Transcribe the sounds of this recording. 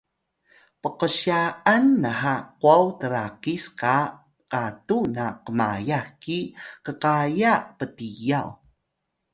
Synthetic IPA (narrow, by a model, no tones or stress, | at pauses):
pəqəɕaanːaɦaquawtəɾakiska | qatunaqəma̰jaxkikəqajapətijaw